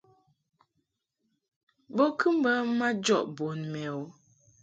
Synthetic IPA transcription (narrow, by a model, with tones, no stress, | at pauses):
bo˦kʰɨ˦m˦bə˦ma˦d͡ʒɔ˦˨ʔbo˨nmɛ˨o˨˦